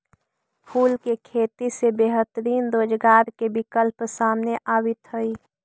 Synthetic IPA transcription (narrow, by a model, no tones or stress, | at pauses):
pʰuːlkekʰeːt̪isebeːɦət̪əɾiːnɾoːd͡ʒɡaːɾkebɪkəlpsaːmneʔaːbɪt̪ɦəi